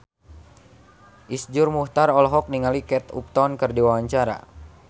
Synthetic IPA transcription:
ʔisd͡ʒurmuht̪aɾɔlɦɔk̚niŋalikɛt̪ṵp̚t̪ɔnkɨrdiwawaɲt͡ʃaɾa̰

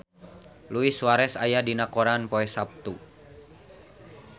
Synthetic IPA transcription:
luisuwaɾɛsajadinakoɾanpɔɛsap̚t̪u

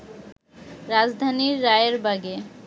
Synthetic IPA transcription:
ɾad͡ʑd̪ʱaniɾːajeɾbaɡe

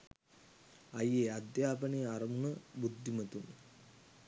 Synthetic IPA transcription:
ajeːad̪jaːpənejaɾɐmunəbud̪ʱːimət̪un

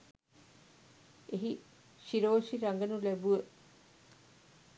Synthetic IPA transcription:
eɦi | ʃiɾoːʃiɾaŋɡənulæbuʋə

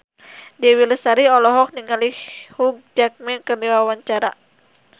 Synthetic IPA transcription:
dɛwiləsaɾiɔlɔɦɔk̚niŋalihhuɡ̚d͡ʒak̚mɛnkərdiwawaɲt͡ʃaɾa

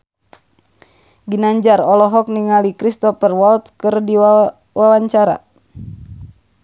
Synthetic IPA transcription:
ɡinaɲd͡ʒarɔlɔɦɔk̚niŋalikɾist̪ɔfərwɔlt̪̚kɨrdi | wawaɲt͡ʃaɾa̰

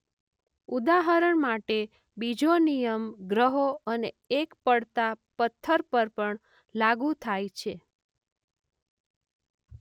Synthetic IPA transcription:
ud̪aɦəɾəɳmaʈe | bid͡ʒonijəmɡɾəɦoəne | ekpəɽt̪apət̪ʰːəɾpəɾpəɳ | laɡũt̪ʰajt͡ʃʰe

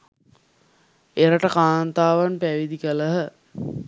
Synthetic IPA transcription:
eɾəʈəkaːnt̪aːʋanpæʋid̪ikələɦə

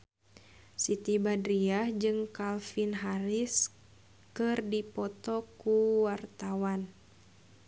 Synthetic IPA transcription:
sit̪ibadɾiahd͡ʒɨŋkalfinɦaɾis | kɨrdipɔt̪ɔkuwart̪awan

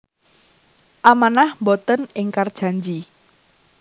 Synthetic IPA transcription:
ʔamanahmbot̪ənɪŋkard̥ʒ̥a̤ɲd͡ʒi

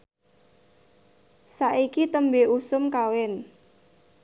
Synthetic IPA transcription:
saʔikit̪əmbeusʊmkawɪn

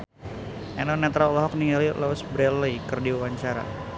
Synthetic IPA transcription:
ʔɛnɔnɛt̪ɾalɔɦɔk̚niŋalilawsbɾɛlikɨrdiawaɲt͡ʃaɾa̰

